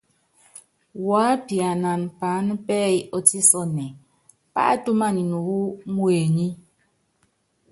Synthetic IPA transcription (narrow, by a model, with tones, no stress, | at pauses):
waː˨˦pi˨a˨na˨npa˨˦nə˦pɛ˦jɔ˨ti˦sɔ˦nɛ˨ | pa̰˦ʔtu˦ma˦˨ni˨nu˨ɣu˦mwe˨ɲi˦